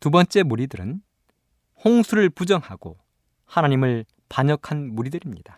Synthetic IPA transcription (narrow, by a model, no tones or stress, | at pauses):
tubʌnt͡ɕ͈e̞muɾidɯɾɯn | hoŋsʰuɾɯɭpud͡ʑʌŋhaɡ̥o̰ | hanaɲimɯɭ | paɲʌkʰanmuɾidɯɾimɲid̥a